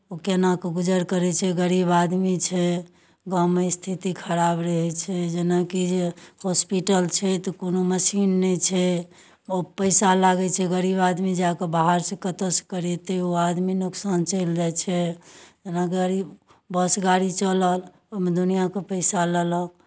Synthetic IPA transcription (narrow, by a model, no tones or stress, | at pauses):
okenakeɡud͡ʒəɾkəɾɛt͡ʃʰɛɡəɾibad̪mit͡ʃʰɛ | ɡaməst̪ʰit̪ikʰəɾabɾəɦɛt͡ʃʰɛd͡ʒenakid͡ʒehospiʈəlt͡ʃʰɛt̪ɔkonoməsinːɛt͡ʃʰɛ | opəɪsalaɡɛt͡ʃʰɛɡəɾibad̪mid͡ʒakebaɦaɾsekət̪əskəɾɛt̪eoad̪minuksant͡ʃəld͡ʒat͡ʃʰɛd͡ʒenakiɡəɾib | bəsɡaɽit͡ʃələl | med̪unijakepəɪsalələk